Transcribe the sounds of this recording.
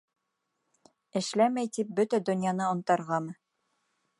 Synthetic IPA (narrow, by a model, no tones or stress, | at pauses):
ɘ̆ʃlæmæjt̪ip̚bɵt̪æd̪ɵ̆njɑnɤŏnt̪ɑɾʁɑmɤ